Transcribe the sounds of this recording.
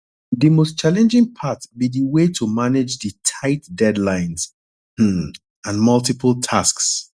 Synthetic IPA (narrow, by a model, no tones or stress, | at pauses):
ðimost͡ʃalɛ̃nd͡ʒɪ̃ŋpʰatbiðiwetʰumanɪd͡ʒðɨtʰaɪtdɛdlãɪ̃nz̥̩ | ãnmʌlˠtipʰəlˠtʰasks